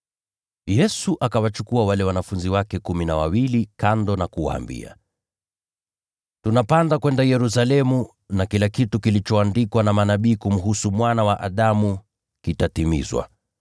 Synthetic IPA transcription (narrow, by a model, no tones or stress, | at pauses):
jɛsuʔakawat͡ʃukuawalɛwanafunziwakɛkuminawa̰wilikandɔnakuwa̰ːmbḭa̰ | tunapandakwɛndajɛɾus̬alɛmu | nakilakitukilit͡ʃɔandikwanamanaɓiːkum̩ɦusumwanawaʔaɗamu | kitatimḭzwa̰